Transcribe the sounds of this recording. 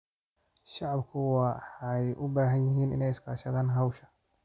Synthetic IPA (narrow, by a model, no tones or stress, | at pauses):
ʃɑʕɑbkʰʊwɑħɑjʔʊbaːɦɐnjɪɦiːnɪ̰nɛjɪskʰa̰ːʃɐðaːnɦɑwʃɐ̥